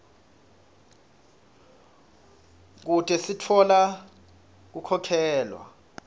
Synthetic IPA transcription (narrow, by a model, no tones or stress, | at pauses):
k̬utʼɛsitʰɔla | k̬ukʰɔkʰɛːlwa̰